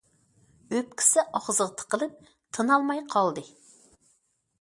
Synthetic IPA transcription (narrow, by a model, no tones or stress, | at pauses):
øp̚kʲʰi̥sɪʔɑʁzəʁt̪ʰə̥qʰəlˠɨp̚ | t̪ʰɨnɑlˠmɑjqʰɑlˠd̪ɨ